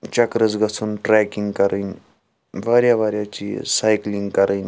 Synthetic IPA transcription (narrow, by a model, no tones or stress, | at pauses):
t͡ʃɐkɾəzɡɐt͡sʰunʈɾɛːkiŋɡkɐɾən | ʋaːɾjaʋaːɾjaːt͡ʃḭːsaːjklĩŋɡkɐɾʔənʲ